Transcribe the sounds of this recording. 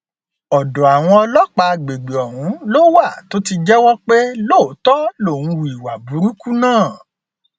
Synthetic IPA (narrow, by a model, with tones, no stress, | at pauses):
ɔ˨dɔ˨a˨w̃ɔ̃˧ɔ˧lɔ˦k͡pa˧ɡ͡be˨ɡ͡be˨ɔ˨ɾũ˨˦lo˦wa˦˨to˨˦ti˧d͡ʒɛ˦wɔ˦k͡pe˦lo˦˨˦tɔ˦lo˦˨ñ̩˧wu˨i˨wa˨bu˨˦ɾu˦ku˦nãː˦˨